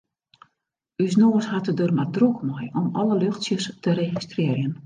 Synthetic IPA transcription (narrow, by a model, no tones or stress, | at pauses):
ysnoːəshatədørmardrukmɔjɔmɔləløxtsjəstəɾeɣistrɪərjən